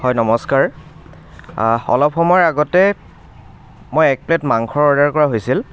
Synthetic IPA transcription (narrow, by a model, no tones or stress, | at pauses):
hɔjnɔmɔskaɹ | ɔ̰lɔpxɔmaɹaɡɔtɛ | mojɛk̚pletmaŋkʰɔɹɔɹdaɹkɔɹaɦojsil